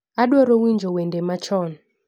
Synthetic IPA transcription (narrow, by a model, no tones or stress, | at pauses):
aɗwɔɾɔwind͡ʒɔwɛndɛmat͡ʃɔnɔ